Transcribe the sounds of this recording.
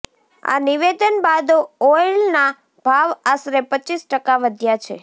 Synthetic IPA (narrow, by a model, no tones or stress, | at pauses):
a̰niʋed̪ənbad̪ɔlna | b̥ʱaʋasɾepət͡ʃːisʈəkaʋəd̪ʱjat͡ʃʰḛ